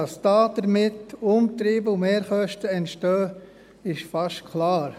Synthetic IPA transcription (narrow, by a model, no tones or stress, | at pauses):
ɑsd̥ɑːd̥əɾmɪtʊmt̪ɾiːbəʊmeːɾχœʃtəɛntʃtœː | ɪʃfɑʃtkʰlɑːɾ